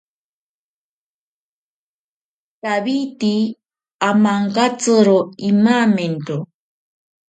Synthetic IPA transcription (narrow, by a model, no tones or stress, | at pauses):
taβit̪i | amaŋkat͡sɨɾoimamento